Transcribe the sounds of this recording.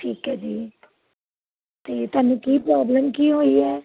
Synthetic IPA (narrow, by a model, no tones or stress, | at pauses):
ʈʰiːkɦɛːd͡ʒiː | t̪eːt̪aːnũːkiːpɾaːbləmkiːɦoːiːɛː